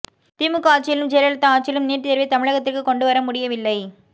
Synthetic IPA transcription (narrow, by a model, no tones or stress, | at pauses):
t̪ɪmɯkːaːʈt͡ʃɐjɪlɯmd͡ʒɛlɐlɐt̪ːɐaːʈ̚t͡ʃɪjɪlɯmniːʈːɯt̪ɛɾʋɐɪt̪ɐmɪɻɐɣɐt̪ːɪrkɯkɔɳɖɯʋɐɾɐmʊɽɪjɐʋɪlːɐɪ